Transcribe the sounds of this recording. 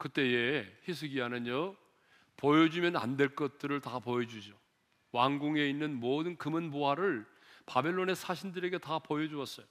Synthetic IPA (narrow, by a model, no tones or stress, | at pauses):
kɯt͈e̞e̞çis̬ʰɯɡiɦanɯnʌ | pojʌd͡ʑumjʌna̰ndwe̞ɭk͈ʌt̚t͈ɯɾɯɭtapojʌd͡ʑud͡ʑo | waŋɡoŋe̞inːɯnmodɯnkɯmɯnboɦaɾɯɭ | pabe̞ɭːone̞sʰaɕʰindɯɾe̞ɡe̞tapojʌd͡ʑuʌs͈ʌjo